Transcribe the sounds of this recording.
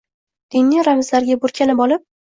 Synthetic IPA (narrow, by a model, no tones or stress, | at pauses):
d̪̥ɪnːɪɾamɪzlaɾɡʲabʊɾkʲanɪbɒlɪp̚